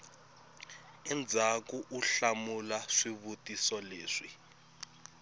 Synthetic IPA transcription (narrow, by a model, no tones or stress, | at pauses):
ɛnd͡zʱakuʔuɬamulaʂiβutisɔleːʂi